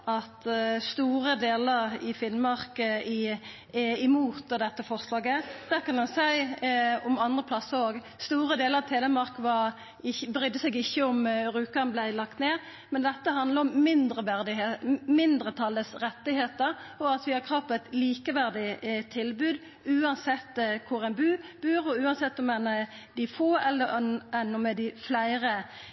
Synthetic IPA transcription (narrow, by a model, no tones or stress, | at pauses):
ɑt̪st̪uːɾəd̪eːləʁɪfɪnmɑʁkəɪ | ɪmuːt̪d̪ɛt̪ːəfɔʁslɑːɡəd̪̥æːʁkɑnd̪ɛnsæɪɔmɑnd̪ʁəpʰlɑsəɾoːɡ | st̪uːʁəd̪eːləʁɑʋt̪ʰeːlɛmɑʁkʋɑɾ | ɪbɾʏd̪ːəsɛɡɪçːəɔmɾʉːkɑnblæɪlɑkt̪neː | mɛnd̪ɛt̪ːəɦɑnd̪ləʁɔmːɪnd̪ʁəʋæd̪ɪmɪnd̪ɾət̪ʰɑlːəsɾɛt̪ːɪheːt̪əɾɔɑt̪ʋɪɑkʰʁɑːpɛɪt̪liːkəʋæʁd̪ɪt̪ʰɪlbʉːd̪ | ʉːɑnsɛt̪ːkʰʊɾɛnbʉːb̥ʉːʁʊʉːɑnsɛt̪ːɔmɛn | d̪ɪfoːɛlːəɾnɛnɔmːɛd̪ɪflæɪʁə